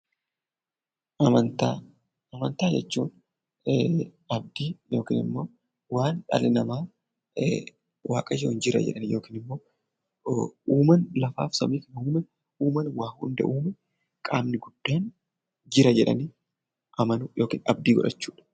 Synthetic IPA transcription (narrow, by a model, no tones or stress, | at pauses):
ʔɐmɐnt̪a | ɐmɐnt̪aːd͡ʒɛt͡ʃːuːn | ɐb̚d̪iːjo̞ːkḭːnɪ̰mːo̞ː | waːnᶑɐ̰lɪnɐmaː | wa̰ːkʼɐd͡ʒɛnd͡ʒɪɾɐ̰d͡ʒɛ̰ᶑɐnjoːkiːnɪmːo̞ː | uːmɐnlɐfa̰ːfsɐmiːfnuːmɛ | uːmɐnwaːhʊnd̪ɛ̰ʔuːmɛ | kʼaːmnɪɡʊd̪̥ːaːn | d͡ʒɪɾɐd͡ʒɛᶑɐ̰niː | ʔɐmɐnʊjo̞ːkḭːnɐ̰b̚d̪iːɡɔᶑɐt͡ʃːuːᶑɐ̥